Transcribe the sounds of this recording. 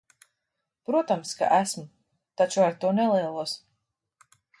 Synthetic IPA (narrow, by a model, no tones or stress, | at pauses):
pɾuɔt̪amska̰ʔæsmu | t̪at͡ʃuaɾt̪uɔnɛliɛlˠuɔs